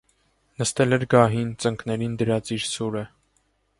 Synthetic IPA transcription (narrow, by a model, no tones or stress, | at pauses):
nəst̪ɛlɛɾɡɑɦint͡səŋkʰnɛɾind̪əɾɑt͡siɾsuɾə